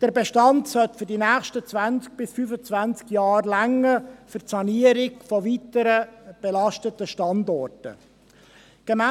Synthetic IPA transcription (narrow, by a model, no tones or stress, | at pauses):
d̥əɾbɛʃtɑntsœltfʏɾdinæːxʃtət͡svænt͡sk̚b̥ɪsfyfət͡svænt͡skjɑːrlæŋːəfʏtsɑniəɾɪɡfɔvitəɾəb̥ɛlɑʃtətəʃtɑndɔrtə̰ | ɡ̥ɛmæ